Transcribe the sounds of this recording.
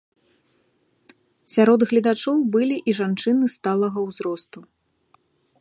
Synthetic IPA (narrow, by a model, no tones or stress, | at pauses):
sʲaɾɔd̪ɣlʲɐd̪at͡ʂɔwbɨlʲiʔiʐant͡ʂɨnɨst̪alˠɐɣɐwzɾɔst̪u